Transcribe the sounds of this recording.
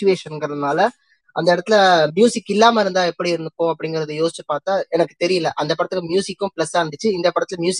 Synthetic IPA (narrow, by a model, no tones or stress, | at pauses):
ʊʋeːʂɐnɡɐɾɐðɯnaːlɐ | ʔɐnd̪ɐɪɽɐt̪ːɪlɐmjuːsɪkːɪlːaːmɐɪɾɯnd̪aːɛpːɐɽiɪɾɯnd̪ɯkːõːɐp̬ːɐɽɪŋɡɐɾɐðɯjoːsɪ̥t͡ʃːɯpaːɾt̪aːɛnɐkːɯt̪ɛɾɪjɐlːɐʔɐnd̪ɐpːɪɾɐt̪ːɯlɐmjuːsɪkːʊ̃plɐsaːɐnd̪ɯt͡ʃːɯɪnd̪ɐpɪɾɐt̪ːɪlɐmjuːs